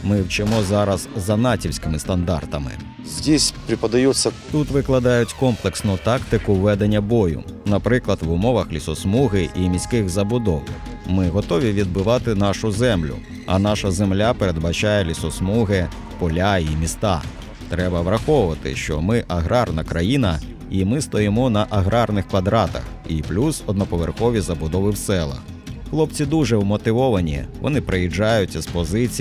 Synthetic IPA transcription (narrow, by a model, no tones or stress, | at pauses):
mɪwt͡ʃɪmɔzɑɾɐzzɐnɑtʲiwsʲkɪmɪst̪ɐnd̪ɑ̰rt̪ɐmɪ̰ | zʲdʲisʲpɾʲɪpɐd̪ɐjusʲːɐt̪ut̪ʋɪklˠɐd̪ɑjʊtʲkɔmplˠeksnʊt̪ɑkt̪ɪkʊwʋːɛd̪enʲːɐbɔjʊ̰nɐpɾɪklˠɐd̪ʋʊmɔʋɐxlʲisɔsmuɦɪʔimʲisʲkɪɣzɐbʊd̪ɔw | mɪɦɔt̪ɔʋʲiʋʲid̪̚bɪʋɑt̪ɪn̪ɑʃʊzɛmlʲʊ̰ | ɐ̰nɑʃɐzemlʲapeɾed̪̚bɐt͡ʃajɛlʲisɔsmuɦɪ | pɔlʲaimʲist̪ɑ | t̪ɾɛbɐʋɾɐxɔʋʊʋɐt̪ɪ̰ʃt͡ʃɔ̰mɪʔɐɦɾɑrnɐkɾɐjinɐ | imɪst̪ɔjɪmɔnɐʔɐɦɾɑrnɪxkʋɐd̪ɾɑt̪ɐ̰xiplʲusɔd̪̚nɔpɔʋerxɔʋʲizɐbʊd̪ɔʋɪwsɛlˠɐ̰x | xlˠɔp̚t͡sʲid̪uʒɛwmɔt̪ɪʋɔʋɐnʲḭʋɔ̰nɪpɾejid͡ʒːajʊt͡sʲːɐspɔzɪt͡sʲi